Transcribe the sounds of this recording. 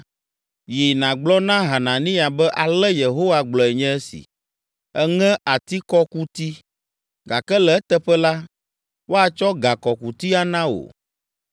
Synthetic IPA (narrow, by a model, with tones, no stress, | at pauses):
ji˨nã˨ɡ͡blɔ˦nã˦ɦa˨nã˨nĩ˦a˨bɛ˦ʔa˨lɛ˦je˨ɦo˦wa˦ɡ͡blɔ˨ɛ˨ɲɛ̃˦ɛ˦sḭ˨ | ɛ˦ŋɛ̃˦ʔa˨t̪i˦kɔ˦ku˦t̪i˦ | ɡa˨kɛ˦lɛ˨ɛ˦t̪ɛ˦ɸɛ˦la˦ | wo˦a˨t͡ʃɔ˦ɡa˨kɔ˨ku˨t̪i˦a˦nã˦o̰˨